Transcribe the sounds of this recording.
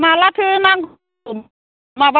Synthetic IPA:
malat̪ʰɯnaŋɡ | maba

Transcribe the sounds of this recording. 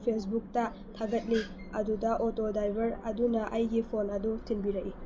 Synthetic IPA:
pʰes̬buk̚tɐ | tʰaɡɐt̚ni | ɐdudɐʔotodajbɐɾɐdunɐʔɐjɡipʰonɐdutʰinbiɾɐʔi

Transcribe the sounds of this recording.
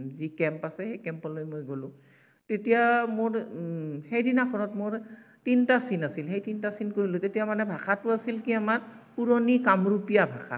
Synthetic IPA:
zikɛmpasɛxejkɛmpɔlojmojɡolʊ̃ | tetijamoɹhejdinakʰɔɹɔtmoɹ | tintasinasilxejtintasinkoɹilʊ̃tetijamanɛbʱaxʰatʊasilkiamaɹpuɹonikamɹupijabʱaxʰa̰

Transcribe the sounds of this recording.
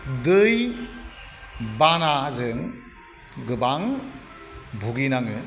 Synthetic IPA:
dɯj | banazɯŋ | ɡɯbaŋ | bʱuɡinaŋɯ

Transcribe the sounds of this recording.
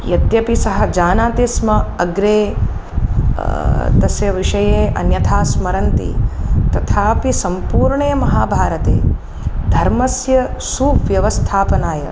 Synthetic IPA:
jɐt̪jɐpisɐɦɐd͡ʒaːnaːt̪ismɐɐɡɾeː | t̪ɐsjɐʋiʂɐjeːʔɐ̰njɐt̪ʰaːsmɐɾɐnt̪ḭt̪ɐt̪ʰaːpisɐmpuːɾɳeːmɐɦaːbʱaːɾɐt̪ḛː | d̪ʱɐɾmɐsjɐsuːʋjɐʋɐst̪ʰaːpɐnaːjɐ̰

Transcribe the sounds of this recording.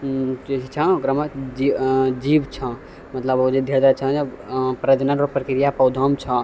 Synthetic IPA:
d͡ʒet͡ʃʰit͡ʃʰə̃okɾamed͡ʒid͡ʒibt͡ʃʰə̃ | mət̪ləbod͡ʒed̪ʱeɾd̪at͡ʃʰə̃epɾəd͡ʒ̪nənopɾəkiɾijapəd̪ʱəmt͡ʃʰə̃

